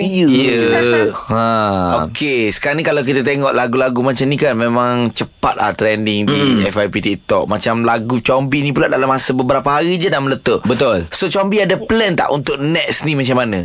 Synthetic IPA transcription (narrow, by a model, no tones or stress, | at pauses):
ijə | ãokʰesə̥kaɾanikalawk̬it̪at̪eŋɔʔlaɡulaɡumat͡ʃamnikanmẽmãŋt͡ʃəpat̪̚la̰ht̪ɾɛndɪŋdiɛfajpit̪iʔt̪ɔʔ̚mat͡ʃamlaɡut͡ʃɔmbinĩpuladalamasəbəbəɾapaɦaɾid͡ʒadamələt̪oʔbət̪ʊlsot͡ʃɔmbiadaplɛnt̪a̰ʔṵnt̪ʊʔ̚nɛʔsnimat͡ʃamːanã